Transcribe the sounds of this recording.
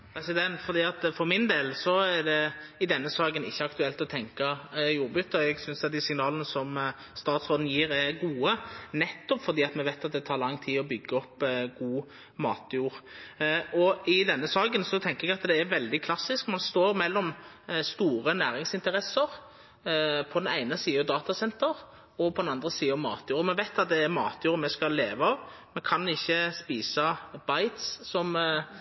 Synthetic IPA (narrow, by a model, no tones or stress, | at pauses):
pʰɾɛsɪd̪ɛnt̪fɔɾd̪iːɑt̪fɔɾmɪnd̪eːlsɔæd̪ɛɪd̪ɛnːəsɑːɡənɪ̰çːəɑkt̪ʉɛlt̪ɔt̪ʰɛŋkɑjuːɾbʉt̪ːəɛɡsʏnsɑt̪̚d̪ɪsɪŋnɑːlənəsɔm | st̪ɑːt̪sʁoːd̪n̩jiːɾɛɾɡuːənɛt̪ːɔpfɔɾd̪iːɑt̪mɛʋæɪt̪ɑt̪̚d̪ɛt̪ʰɑːɾlɑŋːt̪ʰiːɔbʏɡːəɔpːɡuː | mɑːt̪juːɾ | ɔʔɪd̪ɛnːəsɑːɡənsɔt̪ʰɛŋkəɾɛɡɑt̪d̪ɛːɾʋɛld̪ɪkʰlɑsːɪskmɑnst̪oːɾmɛlːɔmst̪uːɾənæːɾɪŋsɪnt̪əɾɛsəɾ | pʰɔd̪ɛnæɪnəsiːɑd̪ɑːt̪ɑsɛnt̪əɾ | ɔpʰɔd̪nɑnd̪ʁəsiːəɔmɑ̰ːt̪juːɾɔmɛʋæɪt̪ɑt̪̚d̪ɛːɾmɑːt̪juːʁmɛskɑllːeːʋəɑʋmɛkʰɑnɪçːəspiːsɑb̥ɑɪt̪ssɔm